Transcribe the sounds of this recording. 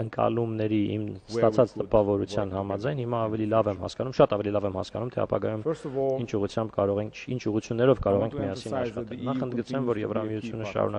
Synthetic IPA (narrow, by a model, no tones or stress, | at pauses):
əŋkɑ̰lumnɛɾiʔḭmst̪ɑt͡sʰɑt͡st̪əpɑvɔɾut͡sʰjɑnhɑmɑd͡zɑjnhimɑːvɛlilɑvɛmhɑ̰skɑnumʃɑt̪ɑvɛlilɑvɛmhɑ̰skɑnumt̪ʰɛɑ̰pɑ̰ɡɑjumint͡ʃʰuʁut͡sʰjɑmb̚kɑɾɔʁɛŋʰint͡ʃʰuʁut͡sʰjunːɛɾɔvkɑɾɔʁɛŋkʰmiɑsinɑʃχɑt̪ɛlnɑχənd̪ɡət͡sɛmvɔɾjɛ̰vɾɑmiut͡sʰjunəʃɑ̰ɾṵnɑ